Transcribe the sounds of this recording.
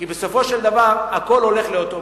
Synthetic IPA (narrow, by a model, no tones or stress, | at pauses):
kibeso̞fo̞ʃeld̪avaʁako̞lo̞le̞χleot̪o